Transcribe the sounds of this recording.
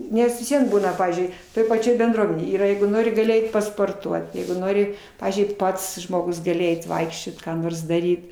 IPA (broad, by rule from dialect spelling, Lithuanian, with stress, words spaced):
ˈnʲɛs ʋʲɪs ˈʋʲiɛn ˈbuːnɐ ˈpɑːʋʲiːzʲd͡ʒʲʊɪ toːj pɐˈt͡ʃʲoːj bʲɛnˈdruɔmʲɛnʲeːj ˈiːrɐ ˈjɛɪɡʊ ˈnoːrʲɪ ɡɐˈlʲɪ ˈɛɪt pɐspoːrˈtuɔt ˈjɛɪɡʊ ˈnoːrʲɪ ˈpɑːʋʲiːzʲd͡ʒʲʊɪ ˈpɐts ʒmoːˈɡʊs ɡɐˈlʲɪ ˈɛɪt ˈʋɐɪkʃʲt͡ʃʲoːt kɑː ˈnoːrs ˈdɑːrʲiːt